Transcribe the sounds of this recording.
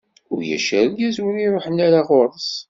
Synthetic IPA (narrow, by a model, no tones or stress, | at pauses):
ʊ̰ɾjæ̰ʃæɾjæzwəniɾˤoħənːæɾaʁʊɾˤəs